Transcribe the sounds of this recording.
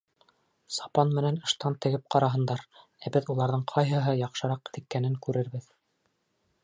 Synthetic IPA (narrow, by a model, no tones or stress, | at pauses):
sɑpɑnmɘ̆nænɤ̆ʃt̪ɑnt̪ɘ̆ɡɘp̚qɑɾɑɦɤ̆nd̪ɑɾ | æbɘðulˠɑɾðɤɴqʰɑjɦɤ̆ɦɤjɑqʃɤ̆ɾɑqt̪ɘ̆kːænɘŋkʉɾɘɾβɘð